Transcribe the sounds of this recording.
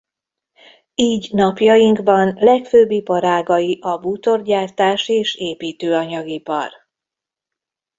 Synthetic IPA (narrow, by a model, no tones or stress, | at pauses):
iːɟnɒpjɒjiŋɡbɒnlɛkføːbːipɒɾaːɡɒjiʔɒbut̪o̞rɟaːrt̪aːʃeːʃeːpiːt̪øːɒɲɒɡipɒ̰r